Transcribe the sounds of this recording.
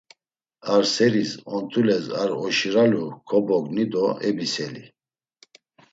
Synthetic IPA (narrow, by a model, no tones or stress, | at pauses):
aɾsɛɾisɔnt̪ʰulɛsaɾɔʃiɾalukʰɔbɔɡnid̪ɔɛbisɛli